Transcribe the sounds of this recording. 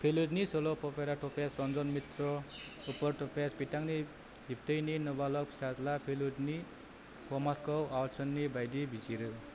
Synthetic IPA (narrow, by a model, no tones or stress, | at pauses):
pʰeludnisolopɔpeɾaʈʰopasrʌnd͡zʌnmit̪rɔ | upʌrʈopaspiʈaŋni | ɦip̚t̪ʌjninʌbalʌpsazlapʰeludni | wɔmaskʌwawt͡sʰʌnːibajd̪ibʱisiɾɯ